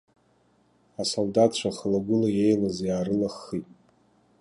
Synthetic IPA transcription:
asoldatʰt͡ʃʷʰaχəlaɡʷʊlaje̞jlazjaːrɨlaχːitʼ

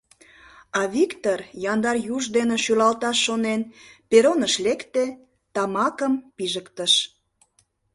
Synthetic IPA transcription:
ɑβikt̪orjɑnd̪ɑrjuʒd̪eneʃylɑlt̪ɑʃːonenpeɾonəʃlekt̪e | t̪ɑmɑkəmpiʒəkt̪əʃ

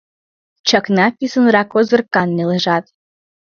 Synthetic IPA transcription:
t͡ɕɑknɑpʲisənrɑkozɤ̆rkɑnːeleʒɑt̪

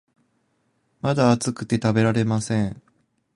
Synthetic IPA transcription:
mad̪aːt͡sɨkɯ̟̥t̪e̞t̪abe̞ɾaɾe̞masẽ̞ɴ

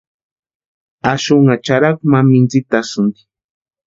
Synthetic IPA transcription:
aʃʊŋat͡ʃaɾak̚mamɪnt͡sɪt̪asʊnd̪i̥

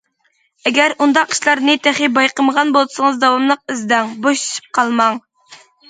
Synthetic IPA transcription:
ɛɡʲæɾund̪ɑqʰːi̥ʃlˠɑɾnɨt̪ʰæχibɑjqəməʁɑnbolˠsɨŋəzd̪ɑwɑmlˠəq̚izd̪ɛŋboʃi̥ʃi̥p̚qʰɑlˠmɑŋ

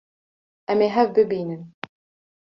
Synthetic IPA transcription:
ʔæmeɦævbɪbiːnən

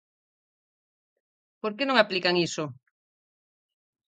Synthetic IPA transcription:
poɾkenõŋaplikaŋiso

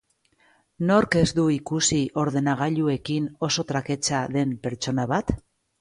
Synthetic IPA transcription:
no̞ɾke̞zd̪uikusiʔo̞ɾðe̞naɣ̞aʎue̞kino̞so̞t̪ɾake̞t͡ʃaðe̞mpe̞ɾt͡ʃo̞naβat̪

